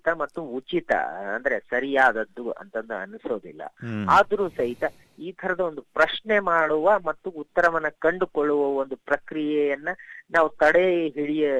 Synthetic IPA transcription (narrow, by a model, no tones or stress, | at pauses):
t̪ɐmɐt̪ːuut͡ʃit̪ɐ̰ɐ̰nd̪ɐɾe̞sɐɾijaːd̪ɐd̪ːuɐ̰nt̪ɐnd̪uɐ̰nuso̞ːd̪ḭlːɐ̰aːd̪ɐɾuːsɐɦit̪ɐ | iːt̪ʰɐɾɐd̪ɐo̞nd̪upɾɐʃɳemaːɽuʋɐmɐt̪ːuːt̪ːɐɾɐʋɐnːɐkɐɳɖukoɭːuʋɐond̪upɾɐkɾijɛjɐnːɐnaːʋut̪ɐɽeɦiɭijɐ